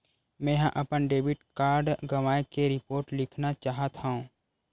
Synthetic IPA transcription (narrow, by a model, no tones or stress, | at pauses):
mɛ̃ːɦãʔɐpənɖeːbɪʈkaːɾɖɡəʋaːjkeɾɪpoːɾʈlɪkʰnat͡ʃaːɦət̪hãũː